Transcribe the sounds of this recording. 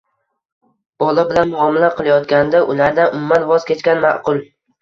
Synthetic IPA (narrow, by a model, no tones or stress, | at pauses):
b̥ɒlˠabɪlanmʊɒmɪlaqʰɨlˠajɒt̪kʲand̪aʔʊlaɾd̪aʔʊmʊːanvɒz̥kʲʰet͡ʃkʲanma̰ʔqʊlˠ